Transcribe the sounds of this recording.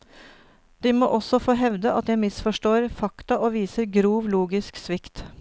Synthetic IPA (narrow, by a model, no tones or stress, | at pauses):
d̪̥iːmo̰ːʔɔsɔfoːɦɛʋd̪əʔɑt̪jæɪmɪsfɔʂʈoːɾfɑkt̪ɑʔoːʋiːsəɾɡɾuːʋluːɡɪsksʋɪkt̪